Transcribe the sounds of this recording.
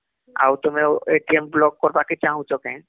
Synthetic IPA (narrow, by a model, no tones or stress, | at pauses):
a̰wt̪omeeʈiemblɔɡ̚kɔɾbakit͡ɕãɦũt͡ɕokɛ̃n